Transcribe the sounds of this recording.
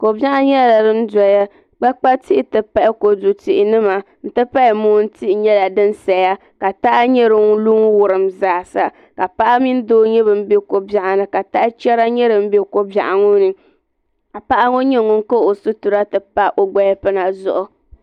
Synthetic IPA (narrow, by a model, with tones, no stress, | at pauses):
ko˨ba˦ʔa˦ɲɛ˦la˨ɾɨ˦n˦da˨ja˦ | ɡ͡ba˦k͡pa˦ti˦ʔɪ˨tɨ˨pa˦ʔɪ˦ko˨du˨ti˨ʔɪ˨nɨ˦ma˨ | n̩˨tɨ˦pa˦˨muː˦n̩˦ti˦ʔɪ˨ɲɛ˦la˨dɨ˦n˦sa˨ja˦ | ka˨ta˦ʔa˦ɲɛ˦ɾɨ˦ŋ˦lu˦ŋ˦wʊ˨ɾɨ˨mzaː˨sa˦ | ka˨pa˦ʔa˦mi˦n˦doː˦ɲɛ˦bɨ˨m̩˦be˦ko˨ba˨ʔa˨nɨ˨ka˨ta˦ʔɪ˦t͡ʃɛ˦ɾa˦ɲɛ˦ɾɨ˨m̩˦be˦ko˦ba̰˨ʔa˨ŋʊ˦nɨ˨ | a˨pa˦ʔa˦ŋo˦ɲɛ˦˨ŋʊ˨ŋ˦ko˦o˨su˦tu˨ɾa˦tɨ˨pa˦ʔo˨ɡ͡ba˦pɨ˦na˨zʊ̰˨ʔʊ˨